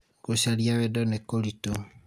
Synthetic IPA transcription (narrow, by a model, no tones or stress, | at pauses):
koʃaljaβedɔnekolito